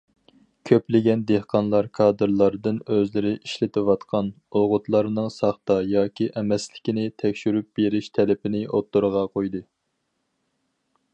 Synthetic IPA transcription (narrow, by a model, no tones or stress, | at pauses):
kʲʰøplɪɡʲɛnd̪ehqʰɑnlˠɑɾkʰɑːd̪ɨɾlˠɑɾd̪ɨnøzlɪɾɪʔiʃlɪt̪ʰɪwɑt̪qʰɑn | oʁʊt̪lˠɑɾnɨŋsɑχt̪ɑjɑːkʲiʔɛmɛslɪ̥kʲinɪt̪ʰɛkʲʃyɾyp̚beɾɪʃt̪ʰɛlɪpɪnɪot̪ːuɾəʁɑqʰojd̪ɨ